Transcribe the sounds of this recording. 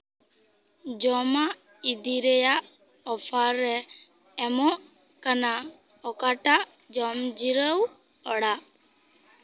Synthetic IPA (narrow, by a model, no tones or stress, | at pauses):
d͡ʒɔmaʔ | id̪iɾɛjaʔ | ɔpʰaɾːɛː | mɔʔ | kana | ɔkaʈaʔ | d͡ʒɔmd͡ʒiɾəw | ɔɽaʔ